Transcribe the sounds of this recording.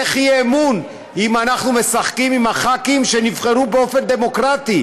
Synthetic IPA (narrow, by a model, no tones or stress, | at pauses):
eχijeːmun | imanaχnume̞saχkimimhaχakimʃe̞nivχe̞ʁubeo̞fe̞nd̪e̞mo̞kʁat̪i